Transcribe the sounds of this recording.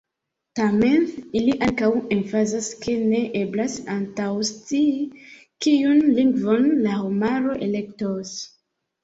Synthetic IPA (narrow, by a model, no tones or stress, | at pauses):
tame̞niliʔaŋkawenfazaske̞ne̞ʔe̞blasantawst͡si | kijunliŋɡvo̞nlahomaɾo̞ʔe̞le̞k̚tos